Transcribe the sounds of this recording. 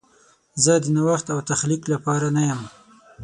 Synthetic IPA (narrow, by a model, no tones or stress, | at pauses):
zəd̪ənawaxt̪awt̪axliklapɑɾanajəm